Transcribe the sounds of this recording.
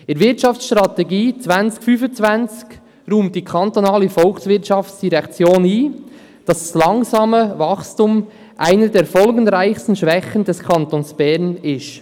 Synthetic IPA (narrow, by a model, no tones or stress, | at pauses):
ɪɾvɪɾtʃɑft͡ssʃtɾɑt̪ɛɡiːt͡svænt͡skfyːfənt͡svænt͡sk | ɾuːmt̚d̥iːkʰɑnt̪onɑːləfɔlksvɪtt͡ʃɑfsd̥iɾɛkt͡sjoːniː | d̥ɑsd̥ɑslɑŋzɑːməvɑχstuːm | ʔaɪnədeːɾfɔlɡənɾaɪxstən̩ʃvɛxəndɛskʰɑntonsb̥ɛɾnɪʃt